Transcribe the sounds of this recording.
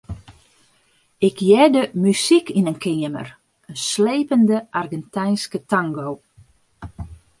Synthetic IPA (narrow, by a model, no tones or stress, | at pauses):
ɪkʰjɛdəmysikinənkʰɪəmə̰r | ənsleːpəndəʔarɡɛntɛjnskətaŋɡow